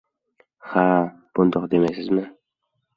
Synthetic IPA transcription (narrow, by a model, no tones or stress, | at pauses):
ha | b̥ʊnd̪oqd̪emajsɪzmɪ